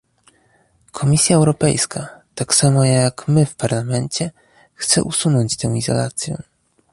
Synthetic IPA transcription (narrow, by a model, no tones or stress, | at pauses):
kʰɔmʲisʲjaɛwɾɔpɛjskʰat̪aksamɔjakmɘfpaɾlamɛnt͡ɕɛ | xt̪sɛ̰ʔusunɔɲt͡ɕt̪ɛ̃w̃izɔ̰la̰t̪sʲjɛ̰